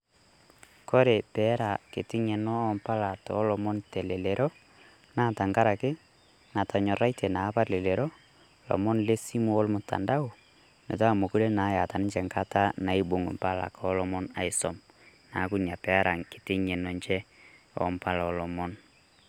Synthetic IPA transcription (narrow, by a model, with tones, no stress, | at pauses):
kɔ˦ɾe˨pɛː˨˦ɾa˨kɪ˨tɪ˦ɲɛ˨nɔː˦mpa˦la˨tɔ˨˦lɔ˨mɔ˦nte˨le˨le˨ɾʔɔ˦ | na˦˨ta˨ŋɡa˦ɾa˨kɪ˦ | na˨tʰa˨ɲɔ˨ɾa˦i˦tʰe˨na˨˦pa˦le˨le˨ɾɔ˦ | lɔ̰˨mɔ˦nle˦si˦mu˦ɔ˦lmʊ˨ta̰˨nda˦u˨ | ne˨ta˦˨mo˨ku˦ɾe˦na˨˦ja˨ta˨nɪ˦ɲt͡ʃɛ˨ŋka˦ta˦na˨i˦bo˨ŋṵ˨mpa˦la̰˨kɔː˦lɔ˦mɔ˦na̰˨ɪ˨sɔ˨m | na˨˦ku˦nja˨pɛ˨˦ɾʔa˨ŋkɪ˨tɪ˦ɲɛ˨nɔ˨nt͡ʃɛ˦ | ɔ̰˦mpa˦la˨ɔ˨lɔ˨mɔ˦n